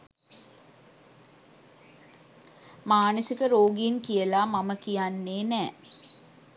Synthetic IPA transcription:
maːnəsikəɾoːɡiinkijəlamaməkijanːeːnɛː

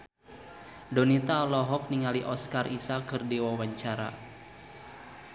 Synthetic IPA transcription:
dɔnit̪aɔlɔɦɔk̚niŋaliʔɔskarisakɨrdiwawaɲt͡ʃaɾa̰

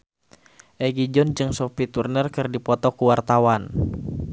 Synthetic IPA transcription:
ʔɛɡid͡ʒɔnd͡ʒɨŋsofit̪urnərkɨrdipɔt̪ɔkuwart̪awan

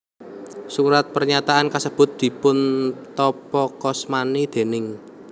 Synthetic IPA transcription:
suɾat̪̚pərɲat̪aʔankəsəb̥ʊ̤t̪̚d̪̥i̤pʊnt̪ɔpɔkɔsmanid̪̥e̤nɪŋ

